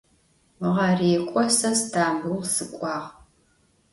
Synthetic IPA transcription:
ʁɐriːkʷʼɔsɐsdʰaːmuʁsɨkʷʼɑːʁ

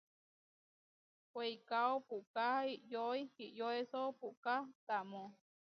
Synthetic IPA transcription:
wejkaopuʔkaiʔjoihiʔjoesopuʔkat̪amõ

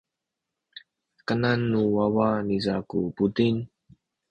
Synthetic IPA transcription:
kənanːuwawanizakṵputin

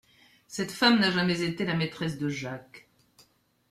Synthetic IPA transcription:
sɛt̪famnaʒamɛzet̪elamet̪χɛs̬d̪əʒak

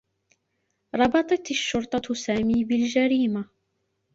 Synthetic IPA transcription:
ɾˤɑbɑt̪ˤɑt̪aʃːʊɾˤt̪ˤɑsaːmiːbɪld͡ʒaɾiːma

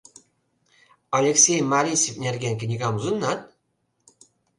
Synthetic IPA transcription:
ɑlʲeksʲejmɑɾʲisʲifʲnʲerɡʲenʲkʲɘ̆nʲiɡɑmuzɤ̆nːɑt̪̚

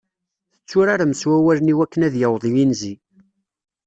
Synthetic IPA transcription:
θə̥t͡sːʊɾaɾaməswæwæləniwækːənæðjəwðˤijinzi

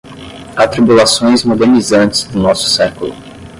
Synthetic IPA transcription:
at̪ɾibulasõj̃zmod̪eɾnizɐ̃nt͡ʃɪ̥zd̪ʊnɔsʊ̥sɛkulʊ̰

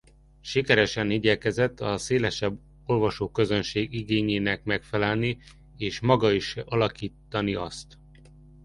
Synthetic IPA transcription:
ʃikɛɾɛʃɛniːɟɛkɛzɛt̪ʰːɒseːlɛʃɛbː | o̞rvɒʃoːkø̞zø̞nʃeːɡiɡeːɲeːnɛkmɛkfɛlɛlni | eːʃmɒɡɒiʃɒlɒkiːt̪ːɒniɒst̪

